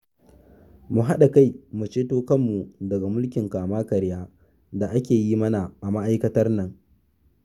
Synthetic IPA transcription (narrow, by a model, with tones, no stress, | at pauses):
mu˨ɦa˦ɗa˨ka˦˨jmu˨t͡ʃeː˦toː˦kɐ˦mːu˨dɐ˨ɡa˨mʊ˦lkʲɪ˨ŋkaː˨maː˦kɐ˨ɾjaː˦ | da˨ʔa˦kʲeː˨ji˦mɐ˦na˨ʔa˨ma˦ʔa˦jkɐ˦tɐ˦rnɐ˨ŋ